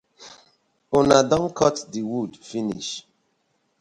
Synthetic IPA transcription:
onadɔ̃nkʰɔtdiwudfiniʃ

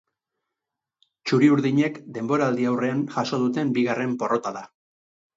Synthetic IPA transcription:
t͡ʃuɾiuɾðiɲe̞kd̪e̞mbo̞ɾaːld̪iawre̞anʝaso̞ð̞ut̪e̞mbiɣ̞are̞mpo̞ro̞t̪aða

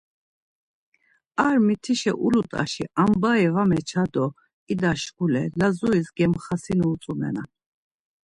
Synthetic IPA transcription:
aɾmit̪ʰiʃɛ̰ʔulut̪ʼa̰ʃiʔambaɛvamɛt͡ʃʰad̪ɔ | id̪aʃɡulɛlazuisɡɛmχasinuːt͡sʼumɛ̰nan

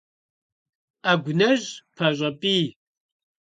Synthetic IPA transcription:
aɡʷʊnɐʑpʰɐʑʷʼɐpʼiː

